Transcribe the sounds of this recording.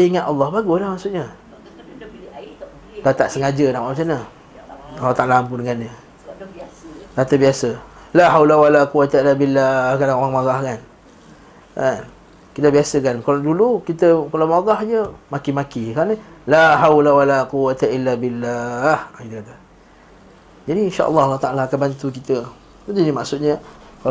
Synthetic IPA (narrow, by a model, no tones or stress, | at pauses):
əiŋat̪ɑlːɑhbaɡʊslahmaʔsuʔɲa | dat̪aʔsəŋad͡ʒədaʔasanə | lːɑht̪aʔlamp̬ʊndəŋanɲə | dat̪əbiasəlaɦawlawalaquwat̪ailːabilːakanaoɣaŋmaɣahkan | kan | kit̪əbiasəkankaladulukit̪əkalawmaɡahd͡ʒəmakimakikanəlaɦawlawalaquwat̪ailːabilahkit̪əkat̪ə | d͡ʒadiinʃa̰ʔə̰lːɑhalːaht̪aʔalaːkanbant̪ukit̪ə | at̪inimaʔsʊt̪̚ɲə | kal